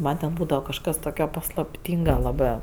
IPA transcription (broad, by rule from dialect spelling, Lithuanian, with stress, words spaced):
ˈmɐn tʲɛn ˈbuːdɐʋɐ kɐʃˈkɐs ˈtoːkʲoː pɐslˠɐpʲˈtʲiːŋɡɐ lˠɐˈbɜ